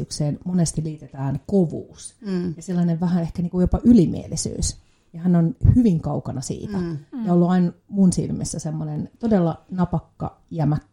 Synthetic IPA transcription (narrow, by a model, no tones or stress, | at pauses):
ykseːnmonest̪iliːt̪et̪æːnkoʋṵːsjɑselːɑneʋʋæhæehkæniːŋkujopɑʔylimḭḛlisy̰ːs | jɑhænːonhyʋiŋkɑukɑnɑsḭːt̪æjɑolːuɑinmunsḭlmḛsːæsemːonent̪odelːɑnɑpɑkːɑ̰ | iæmækː